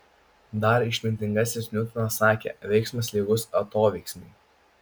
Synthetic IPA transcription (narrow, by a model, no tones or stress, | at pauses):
d̪ɐɾɪʃʲmʲɪnʲt̪ʲɪŋɡɑsʲɪsnʲʊt̪ʲɪnɐsɑːkʲḛːʋʲɛɪksmɐsʲlʲiːɡʊsɐt̪oːʋʲɛɪksʲmʲɛ̰